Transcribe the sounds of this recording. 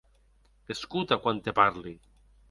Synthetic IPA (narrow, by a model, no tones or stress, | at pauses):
eskut̪akwant̪epaɾli